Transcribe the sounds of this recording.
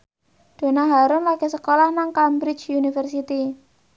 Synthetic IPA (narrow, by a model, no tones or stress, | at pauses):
d̪̥o̤naɦaɾʊnlaɡ̥e̤səkolahnaŋkambɾɪt͡ʃunifərsit̪i